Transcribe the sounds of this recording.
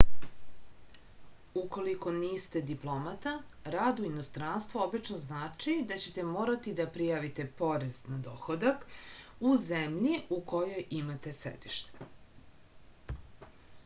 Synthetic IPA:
uko̞liko̞niːst̪e̞d̪iplˠo̞mat̪a | ɾaːd̪uinost̪ɾanst̪ʋoobit͡ʃnoznaːt͡ʂid̪at͡ɕe̞t̪e̞mo̞ːɾat̪id̪apɾijaːʋit̪e̞po̞ɾeznad̪o̞̰xod̪akuzemʎiuko̞jo̞jʔimat̪e̞sḛd̪iʃt̪e̥

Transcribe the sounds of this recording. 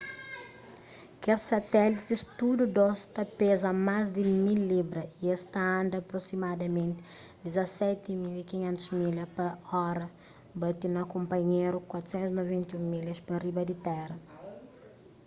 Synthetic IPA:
kesɐt̪ɛlit̪ist̪ud̪ud̪ɔst̪ɐpezɐmazd̪imilːibɾɐiest̪ɐɐ̃nd̪ɐːpɾosimad̪ɐmẽnt̪ɪ̥ | d̪izɐsɛt̪imilikiɲẽnt̪uzmilɐpɐɔɾɐ | bɐt̪inɐkõmpɐɲeɾukwat̪u̥sẽnt̪uznovẽnt̪ɐũmilɐspɐribɐd̪it̪ɛɾɐ

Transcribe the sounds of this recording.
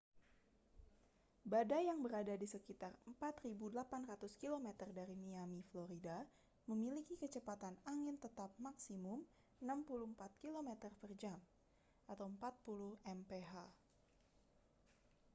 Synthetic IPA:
badajaŋbəɾadadisəkit̪arəmpat̪ribudəlapanrat̪uskilomet̪ərdaɾimiamifloɾida | məmilikikət͡ʃəpat̪anaŋɪnt̪ət̪ap̚maksimʊm | ənampuluhəmpat̪̚kilomet̪ərpərd͡ʒam | ʔat̪awəmpat̪̚puluhɛmpeɦa

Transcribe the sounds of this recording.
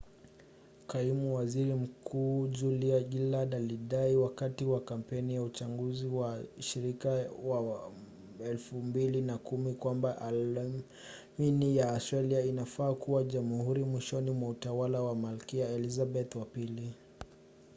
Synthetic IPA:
kaimuwaziɾim̩kʰuːd͡ʒuliaɡilaɗaliɗaiwakatiwakam̩pɛnijaut͡ʃaŋɡuziwaʃiɾikawa | ɛlfumbilinakumikwambaʔa | minijaːsaliainafaːkuwaʄamuhuɾimwiʃɔnimwautawalawamalkiaɛlizabɛt̪wapili

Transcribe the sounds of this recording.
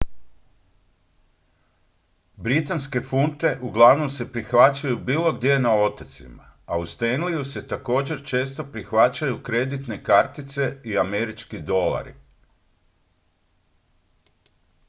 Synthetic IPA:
bɾit̪anske̞funt̪e̞ʔuɡlˠaʋno̞mse̞pɾixʋat͡ɕajubiːlˠo̞ɡd̪je̞enao̞t̪at̪sḭmaaust̪e̞nlijuse̞t̪ako̞ːd͡ʑe̞ɾt͡ʃe̞ːst̪o̞pɾixʋat͡ɕajukɾe̞d̪it̪ne̞kaɾt̪it̪se̞iame̞ɾit͡ʃkid̪o̞la̰ɾḭ

